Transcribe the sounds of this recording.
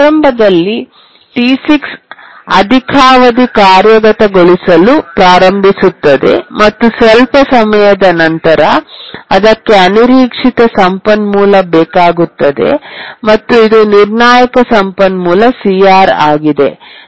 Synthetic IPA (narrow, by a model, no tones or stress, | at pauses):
ɾɐmbʱɐd̪ɐlːi | ʈisiksɐ̰d̪ʱikʰaːʋɐd̪ikaːɾjɐɡɐt̪ɐɡoɭisɐlupɾaːɾɐmbʱisut̪ːɐd̪e̞̰mɐt̪ːusɛlpɐsɐmɐjɐd̪ɐnɐnt̪ɐɾɐɐd̪ɐkːe̞ɐniɾiːkʂit̪ɐsɐmpɐnmuːlɐbɛːkaːɡut̪ːɐd̪e̞̰mɐt̪ːuid̪uniɾnaːjɐkɐsɐmpɐnmuːlɐsiaːɾaːɡid̪e̞